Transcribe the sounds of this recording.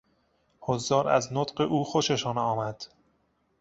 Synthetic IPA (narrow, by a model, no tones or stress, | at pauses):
hozːɒːɾæ̰znot̪ɢeʔuːxoʃeʃɒːnɒːmæd̪̥